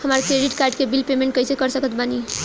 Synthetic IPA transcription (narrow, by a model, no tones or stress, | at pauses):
həmaɾkɾeɖiʈkaɾɖkebilpemeɳʈ̚kəjsekəɾsəkət̪bani